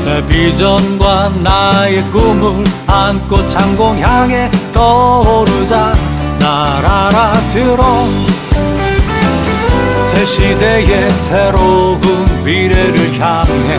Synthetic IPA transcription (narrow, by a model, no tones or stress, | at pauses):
epid͡ʑʌnɡwanajekumuɭhank͈ot͡ɕʰaŋɡoŋçjaŋetʌoɾɯd͡ʑa | naɾaɾatɯɾʌ | sʰeɕʰideɡesʰeɾoɡumpiɾeɾɯɭçjaŋɦe